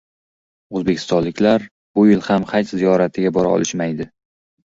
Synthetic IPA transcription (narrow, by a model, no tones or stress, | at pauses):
ozbe̞kʰʲɪ̥st̪ɒnlːɪkʲlaɾ | bʊjɪlhamχʰajt̪zijɒɾat̪ʰɪɡʲabɒɾa̰ɒ̰lˠɪʃmajd̪ɪ